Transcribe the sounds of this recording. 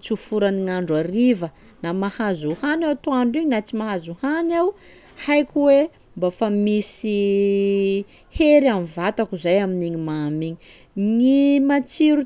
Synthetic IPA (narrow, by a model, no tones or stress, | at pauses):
t͡sufuɾaniŋaɳɖ͡ʐaɾivə | namahazuhanawt̪uaɳɖ͡ʐiɲinat͡simaɦazuhanaw | hajkʲuwe | mbafamisi | heɾianvat̪akuzajaminiɲimamiɲi | ŋimat͡siɾu